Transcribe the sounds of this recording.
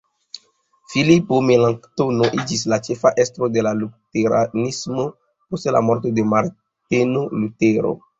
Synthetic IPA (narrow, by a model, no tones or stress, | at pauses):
filipomelaŋktonoʔid͡ʒis̬lat͡ʃefaʔestɾo̞de̞laluteɾa̰nismo̞ | postela̰moɾt̬o̞de̞maɾ | tenoluteɾo̰